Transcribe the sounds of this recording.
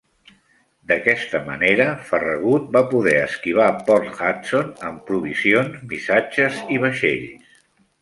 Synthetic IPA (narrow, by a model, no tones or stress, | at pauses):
d̪əkɛst̪əmə̰neɾəfərəɣ̞ut̪̚bapuðɛəskiβ̞apɔɾt̪xatsonəmpɾuβ̞izionzmisad͡ʒəziβ̞əʃḛʎs